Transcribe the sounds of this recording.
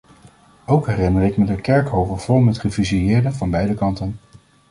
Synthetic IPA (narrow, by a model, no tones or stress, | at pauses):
owkɦɛrɪnərɪkmədəkɛɹkɦowvəɹv̥ʊlˠmətχəviziɪːɹdəvɑnbɛjdəkɑntən